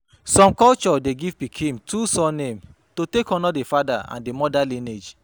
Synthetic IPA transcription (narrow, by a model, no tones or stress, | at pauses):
sɔ̃mkɔlt͡ʃɔdeɡivpikʰhĩmtʰusɔnẽm | totekɔ̃nadefadaã̰ndemɔdalined͡ʒ